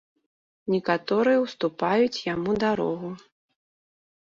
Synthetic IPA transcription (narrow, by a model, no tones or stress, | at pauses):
nʲɛkat̪ɔɾɨjɛwst̪upajut͡sʲjamud̪aɾɔ̰ɣu